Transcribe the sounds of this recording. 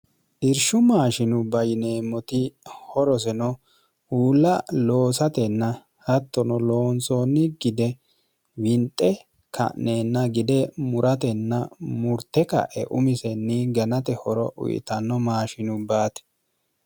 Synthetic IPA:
ʔɪɾʃʊmaːʃɪnʊbɐjɪneːmːɔt̪ɪhɔɾɔs̬ɛnɔ | uːlːɐlo̞ːsɐt̪ɛnːɐ | hɐt̪ːɔnɔloːnsoːnːɪɡɪd̪ɛ | wɪnt̪ʼːɛ | kʰɐ̰neːnːɐɡɪd̪ɛmʊɾʔɐt̪ɛnːɐmʊɾt̪ːɛkɐ̰ʔɛ̰ʔʊ̰mɪsɛnːɪɡɐnɐt̪ɛhɔɾɔʔʊ̰jɪ̰t̪ɐnːɔmaːʃɪnʊbaːt̪ɛ̥

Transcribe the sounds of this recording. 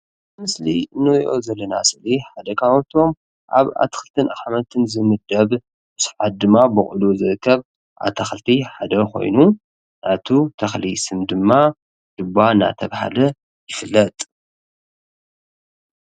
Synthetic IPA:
mɨsliɨnːɨɾiʔo̞zɐlːɐna̰sɨliħad̪ɐkʰawt̪ʰo̞m | ʔa̰βa̰t̪ʰɐ̥xɨlt̪ʰɨnʔaxħmɐt̪ʰɨnzɨmɨd̪ɐβ | bɨsħad̪̚d̪ɨmːabɨχʼʊluzɨɾɨkʰːɐβ | ʔa̰t̪ʰɐxlt̪ʰiħad̪ɐko̞̰jnu | nʔat̪ʰut̪ʰɐxlisɨmd̪ɨmːa | d̪̥ɨbana̰t̪ʰɐβha̰lɐ | jɪfɨlːɐt̪ʼ

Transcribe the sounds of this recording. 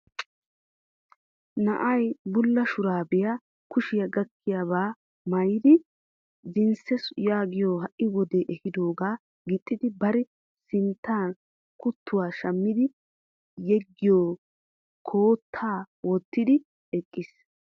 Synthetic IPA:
nɐʔɐjbʊlːɐʃʊɾaːbɪjɐ | kʊʃɪjɐɡɐkʰːɪjaːβaː | mɐjɪd̪ɪ | zɪnsɛsʊjaːɡɪjoːɦɐʔɪwɔd̪eʔɛhɪd̪oːɡaː | ɡɪt̪ʼːɪd̪ɪbɐɾɛ | sɪnt̪ːaːn | kʊt̪ːʊwaːʃɐmːɪd̪ɪ | jɛɡːɪjoː | kʰoːt̪ʰːaː | wɔt̪ːɪd̪ɪ | ɛkʼːɪs

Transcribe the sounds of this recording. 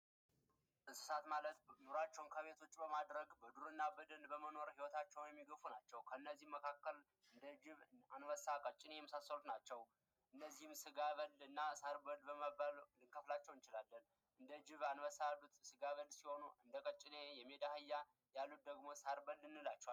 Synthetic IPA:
ʔɨsɨ̥sat̪malət̪nuɾat͡ʃːɛwnkʰəβe̞t̪ʰo̞t͡ʃːʼbəmad̪ɾəɡbəd̪uɾɨnːabɨd̪ənbəməno̞ɾhiwɔt̪ʰat͡ʃːɛwnjɛmːiɡəfunat͡ʃːɛwkʰəɨnːəzːihmːəkʰakːəl | ɨnd̪əd͡ʒɪβanwəsakʼət͡ʃʼːɪne̞jɛmːəsasːəlut̪nat͡ʃːɛw | ʔɨnːəzːihɨmsɨɡaβəlɨnːasaɾbəlbəməballɨŋkʰəflat͡ʃːɛwnt͡ʃɪlalːən | ʔɨnd̪əd͡ʒɪβanwəsalut̪ʼsɨɡaβəlsiho̞nuʔɨnd̪əkʼət͡ʃʼːɪnejɛme̞d̪ahɨjːa | jalːut̪̚d̪əɡmo̞saɾbəlːɨnːɨlat͡ʃːɛwal

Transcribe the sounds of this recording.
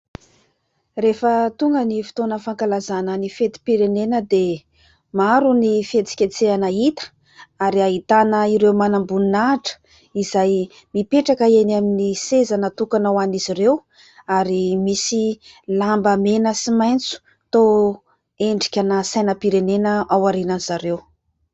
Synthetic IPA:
refət̪uŋɡənifi̥t̪onəfaŋkalazanənifet̪i̥piɾenenəd̪e | maɾunifet͡si̥kʲet͡seanəit̪ə̥ | aɾiaɦit̪anəiɾewmanambuninaʈ͡ʂə̥ | izaj | mipeʈ͡ʂakəenaminisezanət̪ukanawaniziɾew | aɾimisi | lambəmenəsimajnt͡su̥ | t̪o | eɳɖ͡ʐi̥kʲanəsajnəpiɾenenəawaɾinanzaɾew

